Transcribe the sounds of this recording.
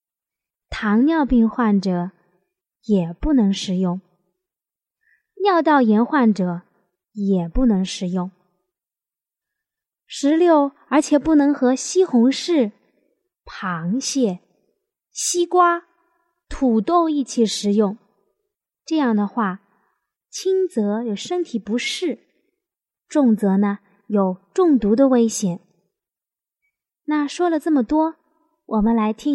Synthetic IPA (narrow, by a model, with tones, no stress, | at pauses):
t̪ʰɑ˧˥ŋnjɑ˥˧ʊpi˥˧ŋxwa˥˩nʈ͡ʂɤ˨˩˦ | jɛ˨˩pu˥˩nɤ˧˥ŋʂɻ̩˨˩jʊ˥˩ŋ | njɑ˥˧ʊt̪̬ɑ˥˩ʊjɛ˧˥nxwa˥˩nʈ͡ʂɤ˨˩˦ | jɛ˨˩pu˥˩nɤ˧˥ŋʂɻ̩˨˩jʊ˥˩ŋ | ʂɻ̩˧˥ljo˥˩ʊ | ə˞˧˥t͡ɕʰjɛ˨˩pu˥˩nɤ˧˥ŋxɤ˧˥ɕi˥xʊ˧˥ŋʂɻ̩˥˩ | pʰɑ˧˥ŋɕjɛ˥˩ | ɕi˥kwa˥ | t̪ʰu˨˩t̪o˥˧ʊi˥˩t͡ɕʰi˧˩ʂɻ̩˧˩jʊ˥˩ŋ | ʈ͡ʂɤ˥˧jɑ˥˩ŋd̪ə˩xwa˥˩ | t͡ɕʰi˥nt͡sɤ˧˥jo˨˩ʊʂə˥ŋt̪ʰi˨˩pu˧˥ʂɻ̩˥˩ | ʈ͡ʂʊ˥˩ŋt͡sɤ˧˥nə˧ | jo˨˩ʊʈ͡ʂʊ˥˩ŋt̪u˧˥d̪ə˧we˥ɪɕjɛ˨˩˦n | na˥˩ʂwɔ˥lə˨ʈ͡ʂɤ˥˩mə˩t̪wɔ˥ | wʔɔ˨˩mə˦nla˧˥ɪt̪ʰi˥